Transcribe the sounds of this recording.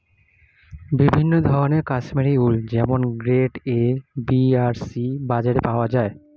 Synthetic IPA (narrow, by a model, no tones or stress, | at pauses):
bibʱinːod̪ʱɔɾoneɾkasmeɾiuld͡ʑɛmonɡɾeʈebiaɾsibad͡ʑaɾepaoad͡ʑae